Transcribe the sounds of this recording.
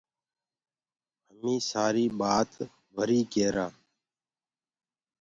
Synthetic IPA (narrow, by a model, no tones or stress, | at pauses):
ɦəmĩːsaːɾiːɓaːt̪ | ʋəɾiːkeːɾaː